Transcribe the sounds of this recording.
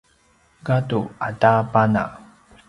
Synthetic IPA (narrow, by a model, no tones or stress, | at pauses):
ɡatuatapana̰